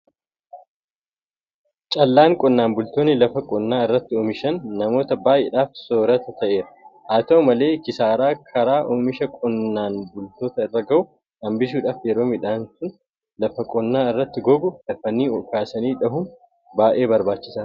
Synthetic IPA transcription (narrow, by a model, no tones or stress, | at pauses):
t͡ʃʼɐlːaːŋkʼɔnːaːnbʊlt̪oːnːɪlɐfɐkʼɔnːaːɪrːɐt̪ːɪɔːmɪʃɐnːɐmo̞ːt̪ɐbaːʔḛːᶑaːfsoːɾɐt̪ɐt̪ʰɐʔe̞ːɾɐhaːt̪ɐɔmɐle̞ːkɪsaːɾaːkʰɐɾaːʔɔːmɪʃɐkʼɔnːaːnbʊlt̪o̞ːt̪ɐɪrːɐɡɐʔʊ | hɐmbɪʃ̬uːᶑaːfjɛɾoːmɪᶑaːnsʊn | lɐfɐkʼɔnːaːɪrːɐt̪ːɪɡɔɡʊlɐfɐniːɔkaːsɐniːᶑɐɦʊm | baːʔe̞ːbɐɾbaːt͡ʃːɪ̥sa